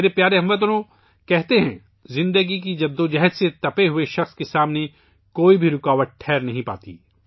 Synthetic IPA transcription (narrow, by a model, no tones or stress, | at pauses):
ɾepjaːɾeɦɐ̃mʋət̪̬nõ | kɛɦt̪eɦɛ̰̃ | zɪ̃nd̪əɡik̬id͡ʒɐd̪ːõd͡ʒɛɦəd̪set̪ɐpeɦʊeʃɐxskesaːmne | koːibʱiɾʊkaːʋəʈ̪̚ʈʰɛːɾnɐɦĩpa̰ːt̪ḭː